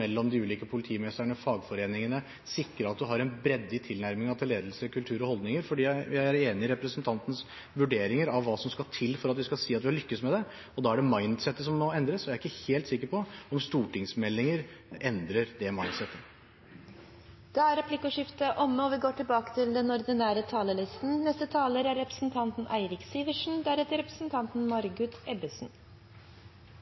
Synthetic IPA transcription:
ɛlːɔmd̪ɪʉːliːkəpʰʊlɪt̪ʰiːmɛst̪əɳəfɑːɡfɔɾeːnɪŋənə | sɪkɾəɾɑt̪̚d̪ʉɦɑɾɛnbɾɛd̪ːɪt̪ʰɪlnæɾmɪŋɑt̪ʰɪleːd̪lsəkʰʉlt̪ʰʉːɾɔhɔld̪nɪŋəɾfɔɖiːæjæɪæɾeːnɪɪɾɛpɾəsənt̪ʰɑnt̪ənəs | ʋʉɖeːɾɪŋəɾɑʋːɑːsɔmskɑt̪ʰɪlːfɔɾɑt̪ʋɪskɑsiːɑt̪ʋɪɑlʏkːəsmɛd̪ɛ | ɔd̪ɑːæɖɛmɑɪnd̪sɛt̪ːəsɔmːɔɛnd̪ɾəsɔæɾæɪkːəheːlt̪sɪkːəɾpɔɔmst̪uːʈɪŋsmɛlːɪŋəɾʔɛnd̪ɾəɾd̪ɛmɑɪnsɛt̪ːə | d̪̥ɛæɾɛpʰlɪkʊʂɪft̪əʔɔmːəɔʋɪɡoːʈɪlbɑːkə̥t̪ʰɪld̪ɛnɔɾd̪ɪnæːɾət̪ʰɑːləlɪst̪n̩nɛst̪ət̪ʰɑːləɾæɾɾɛpɾəsn̩t̪ʰɑnt̪nʔæɪɾɪksiːʋəʂn̩d̪æɾɛt̪əɾɛpɾə̥snt̪ʰɑnt̪n̩mɑɾɡʉt̪ɛbəsn̩

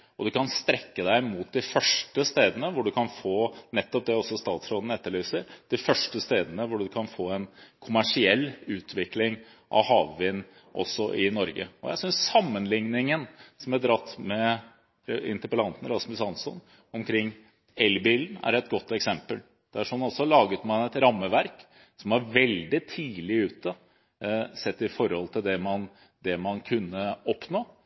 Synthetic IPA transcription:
ɔd̪ʉkʰɑnst̪ɾɛkːəd̪æɪmuːt̪̚d̪ɪfœʂʈəst̪eːd̪ənəʋʊɖʉkʰɑnfoːnɛt̪ːɔp̚d̪ɛɔsːɔst̪ɑːt̪sɾoːd̪n̩ɛt̪ːəɭyːsəɾd̪̥ɪfœʂʈəst̪eːd̪ənəʋʊɖʉkʰɑnfoːɛnkʰʊmæʂɪɛlːʉːt̪ʰʋɪklɪŋ | ʔɑ̰ʋhɑːʋʋɪnː | ʔɔ̰sːɔʔɪnɔɾɡə̰ɔ̰jæ̰ɪsʏnsːɑmːənlɪŋnɪŋənsɔmæd̪ɾɑt̪ːmɛ | ɪ̰nt̪əɾpəlɑnt̪n̩ɾɑsmʉsɑnsɔn | ɔmkʰɾɪŋː | ɛlbiːln̩æ̰ɾɛt̪̚ɡɔt̪ːɛksɛmpəl | d̪̥ɛæʂɔmnɑlsɔlɑːɡət̪mɑnɛt̪ɾɑmːəʋæɾk | sɔmɑɾʋɛld̪ɪt̪ʰiːlɪʉːt̪ə | sɛt̪ːɪfɔɾhɔlt̪ʰɪld̪ɛmɑn | d̪ɛmɑnkʰʉnːəɔpnoː

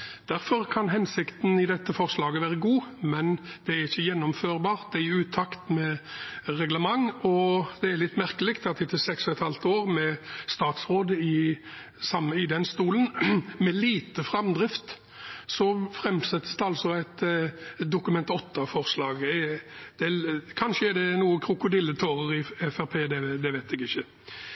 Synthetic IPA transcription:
d̪̥æɾfɔɾkʰɑnɦɛnsɪkt̪n̩ɪd̪ɛt̪ːəfɔʁslɑːɡəʋæːɾəɡuːmɛnd̪̥ɛæɾɪçːəjɛnːɔmføːɾbɑːɾt̪̚d̪ɛæɾʉːt̪ʰːɑkt̪mɛɾɛɡləmɑŋɔd̪̥ɛæɾlɪt̪ːmæɾkəlɪkt̪ɑt̪ʰɪt̪ːəlsɛksɔɛt̪hɑlt̪oːɾmɛst̪ɑːt̪sʁoːd̪əɪ | sɑmɪd̪ɛnst̪uːlənmɛliːt̪əfʁɑmd̪ʁɪft̪ | sɔfʁɛmsɛt̪ːəsd̪ɛɑlsɔæɪt̪ | d̪ʊkʉmɛnt̪ɔt̪ʰːɑfɔʁslɑːɡɛd̪̥ɛkʰɑnʃəɛd̪ɛnuːəkʰɾʊkʊd̪ɪlːət̪ʰoːʁəɾɪɛfæɾpʰeːd̪ɛd̪ɛʋæɪt̪ʰɛɡɪçːə

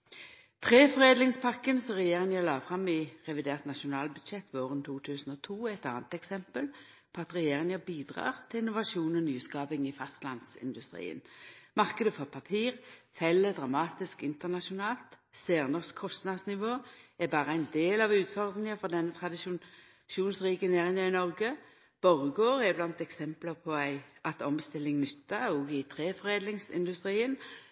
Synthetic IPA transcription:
t̪ʰʁeːfɔʁeːd̪lɪŋspʰɑʁkənsɔmʁɛjeːʁɪŋəlɑːfʁɑmɪʁɛʋɪd̪eːʁt̪nɑʃʊnɑːlbʉd̪ʃɛt̪ːʋoːʁənt̪ʰuːt̪ʰʉːsən̩ɔt̪ʰuːɛt̪ɑ̰ːnət̪ɛksɛmpəl | pʰoːɑt̪ʁɛjeːʁɪŋəbiːd̪ʁɑ̰ːʁt̪ʰɪlɪnʊʋɑʃuːnɔnyːskɑːpɪŋɪfɑst̪lɑnsɪ̰nd̪ʉst̪ʁḭːə̰nmɑʁkəd̪əfɔʁpʰɑpʰiːʁfɛlːəd̪ʁɑmɑːt̪ɪskɪnt̪əʁnɑʃʊnɑːlt̪sæːʁnəʁskʰɔst̪nɑd̪snɪʋoːɛbɑːʁəæɪnd̪eːlɑʋʉːt̪fɔʁd̪ʁɪŋəfɔʁd̪ɛnːət̪ʰʁɑd̪ɪʃu | ʃuːnsʁiːkəneːʁɪŋɑɪnɔʁɡə | b̥ɔʁɡoːʁɛblɑnt̪ɛksɛmpləpʰɔæɪʔɑt̪ɔmst̪ɪlːɪŋnʏt̪ːɑɔːɡɪt̪ʰɾeːfɔʁeːd̪lɪŋsɪ̰nd̪ʉst̪ʁiːən

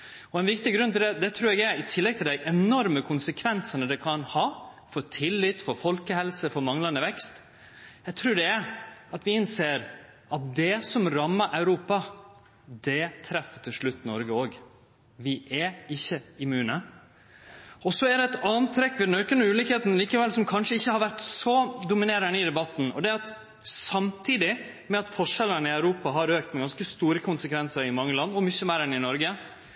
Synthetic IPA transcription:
ɔɛnʋɪkt̪ɪɡɾʉnːt̪ʰɪld̪ɛd̪ɛt̪ʰɾʉːɾɛɡæɾɪt̪ʰɪlːɛɡ̚t̪ʰɪld̪æɪʔɛnɔɾməkʰʊnsəkʰʋɛnsənəd̪ɛkʰɑnhɑːfɔɾt̪ʰɪlːɪt̪ːfɔɾfɔlkəhɛlsəfɔɾmɑŋlɑnəʋɛkst̪ | jɛɡt̪ʰɾʉːɖɛɛɾɑt̪ʋɪɪnseːɾ | ɑt̪̚d̪ɛsɔmɾɑmːəɾʔæʉɾuːpɑ | d̪ɛt̪ʰɾɛfːət̪ʰɪlʂɭʉt̪ːnɔɾɡəoːɡ | ʋɪʔɛɪçːəɪmʉːnə | ɔsɔæɖ̪ɛɛt̪ɑnt̪ʰɾɛkːʋɪd̪ɛnøːkənəʉːlɪkheːt̪n̩liːkəʋɛlsɔmkʰɑnʂəɪçːəhɑɾʋæɾʈ̪sɔd̪ʊmɪneːɾəɳɪd̪ɛbɑt̪ːn̩ɔ̰d̪ɛɑt̪ | sɑmt̪ʰiːd̪ɪ | mɛɑt̪fɔʂɛlːənəɪæʉɾuːpɑɦɑɾøːkt̪mɛɡɑnskəst̪uːɾəkʰʊnsəkʰʋɛnsəɾɪmɑŋːəlɑnːɔmʏçːəmeːɾɛnɪnɔɾɡə

